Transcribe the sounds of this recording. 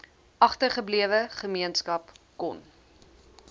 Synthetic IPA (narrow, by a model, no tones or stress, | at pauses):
ʔɐχtərχəbliəvəχəmiənskɐpkɔ̰n